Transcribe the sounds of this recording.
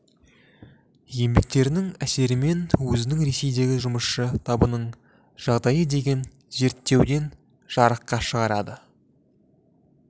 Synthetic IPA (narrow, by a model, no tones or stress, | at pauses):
je̞mbe̞k̚t̪e̞ɾɪnɪŋæse̞ɾɪme̞nwɵzɪnɪŋɾe̞se̞jd̪e̞ɡʲɪʒʊməsʃət̪ʰɑbənəɴ | ʒ̥ɑʁd̪ɑjəd̪e̞ɡʲe̞n | ze̞ɾt̪ːe̞wd̪e̞n | ʒ̥ɑɾəqːɑʃəʁɑɾɑd̪ə